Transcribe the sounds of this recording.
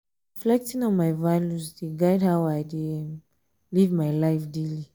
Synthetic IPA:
ɹiflɛk̚tĩnɔ̃nmajvaljusdeɡajdhawajdem | livmajlajfdeli

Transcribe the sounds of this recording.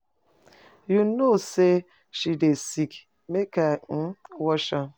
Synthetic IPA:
junose | ʃidesik | mekaŋ̩wɔʃa

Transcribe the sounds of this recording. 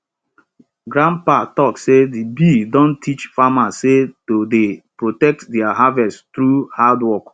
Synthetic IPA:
ɡɾãmpatɔksedibidõn̩tʰit͡ʃfamasetodepɹotɛk̚tdɛaɦavɛsttɾuhadwɔk

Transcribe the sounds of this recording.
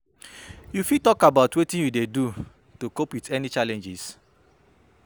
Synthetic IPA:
jufitɔkabaʊtwetĩnjudedu | tokopwitʰɛnit͡ʃalɛ̃nd͡ʒis

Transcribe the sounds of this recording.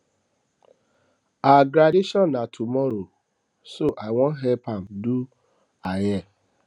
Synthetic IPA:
aɡɾadeʃɔ̃nːatʰumɔɾo | soʔaɪwɔ̃nɦɛpam̩du | ajɛ

